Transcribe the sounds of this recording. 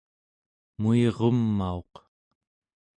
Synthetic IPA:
mueʁomːao̞q

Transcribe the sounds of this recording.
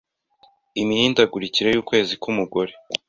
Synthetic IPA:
imihiːndaɡuɾiciɾe̞juːkwe̞ːzikumuɡo̞ɾe̞

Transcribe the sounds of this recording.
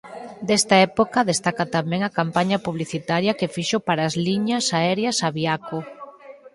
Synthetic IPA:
d̪ɛst̪ɐɛpokɐðest̪akat̪amɛ̃ŋɐkampaɲɐpuβliθit̪aɾjɐkefiʃopaɾɐːzliɲɐsaɛɾjɐsaβiako

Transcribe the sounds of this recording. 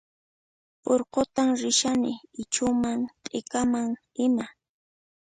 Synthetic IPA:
poɾqot̪amɾɪʃanɪːt͡ʃʊmaŋt̪ʼɪkamaŋ | ɪma

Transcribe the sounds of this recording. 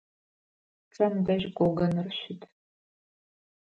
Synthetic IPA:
t͡sʼɐmdɐʒɡʷʼɔɡɐnɨrʃɪtʰ

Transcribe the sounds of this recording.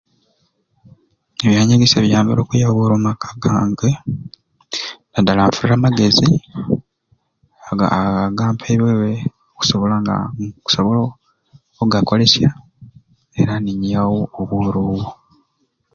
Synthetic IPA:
eβjaːɲaɡeseβjaːmbeɾo̞ːkujaβoɾoːmakʰḁɡaːŋɡe | nadalaɱfuɾiɾamaɡe̞zi | aɡa̰ːaɡaːmpʰeβwewe | oku̥so̞βo̞laŋɡa̰ku̥soβolo | oɡako̞le̞sja | e̞ɾaniɲijawoːβuːɾuwo

